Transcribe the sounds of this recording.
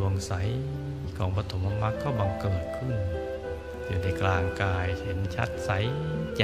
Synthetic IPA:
u˧˩əŋsa˨˦j | kʰɔː˨˦ŋpa˧t̪ʰo˨˦mʔa˧mːa˧˥kːɔː˥˩baː˧ŋku˧˨˩t̚kʰɯ˧˩˨n | juː˧˩na˧˩jklaː˧ŋkaː˧jhe˨˩˦nt͡ɕʰa̰˦˥t̪̚sa˨˦jt͡ɕa˧

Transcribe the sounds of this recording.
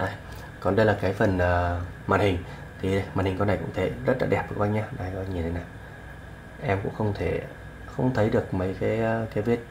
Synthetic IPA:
ʔaː˧˩j | kɔ˨˩nɗə˧jlaː˨˩kaː˨˦jfə˨˩nʔəː˨˩ | ma̰ː˧˩nhï˨˩ŋ̟ | t̪ʰi˨˩˨maː˨˩nhi˨˩ŋkɔ˧na˨˩kʊ̰˧˥ŋ͡mt̪ʰe˧˩zə˦˥t̚la̰ː˧˥ɗɛ˨˩p̚ɓɨ̰˨˧˩ɓa˧ŋɲaː˧ɗaː˧˩jkɔ˨˦˧ɲi˨˩t̪ʰe˨˦naː˨˩j | ʔɛ˧mkʊ̰˧˥ŋ͡mxə˧wŋ͡mt̪ʰe˧˩ | xə˧wŋ͡mt̪ʰə˨˦jɗɨ˨˩ək̚mə˨˦jkaː˨˦jʔːkaː˨˦jvi˦˥ət̚

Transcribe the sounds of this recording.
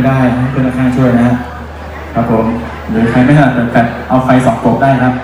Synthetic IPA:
daː˥˩jʰa˦˥˩kʰɯː˧˥˩nlaː˥˩kʰaː˥˩t͡ɕʰu˥˩əjna˦˥a˥ | kʰɾa˦˥pʰːo˩˦m | ɾɯː˩˦kʰa˧jma˥˩jt̪ʰa˥la˨˩bɛː˨˩bɛː˨˩p̚ʔa˧wfa˧jsɔː˨˩˦ŋpo˨˩k̚daː˥˩jkʰɾa˦˥p̚

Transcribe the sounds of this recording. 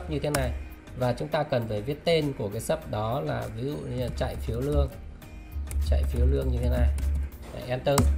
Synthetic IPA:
p̚ɲɨ˧t̪ʰe˨˦na˨˩j | vaː˨˩t͡ɕʊ˨˦ŋ͡mt̪aː˧kə˨˩nfəː˧˩vi˦˥ət̚t̪e˧nku˧˩əkaː˨˦jsə˦˥p̚ɗɔ˨˦laː˨˩vi˨˦zṵ˧˨˧t͡ɕa̰˧˨jfi˨˦əwlɨ˧əŋ | t͡ɕa̰˧˨jfi˨˦əwlɨ˧əŋɲɨ˧t̪ʰe˨˦na˨˩j | ʔɛ˧nt̪əː˧

